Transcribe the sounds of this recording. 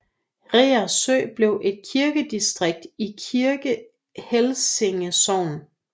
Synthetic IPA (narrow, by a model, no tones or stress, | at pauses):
ʁeːɐsø̰ːb̥le̝ʊʔe̝d̥̚kʰiɐɡ̥əd̥isd̥ʁeɡ̥̚d̥ikʰiɐɡ̥ə | helseŋəsɒʊ̰n